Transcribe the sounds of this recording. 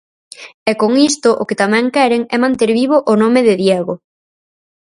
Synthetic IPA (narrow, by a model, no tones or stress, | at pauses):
ɛkoŋist̪ʊʔʊket̪amɛ̃ŋkɛɾeŋɛmãnt̪eɾβiβoʔʊnomeðɪðjɛɣo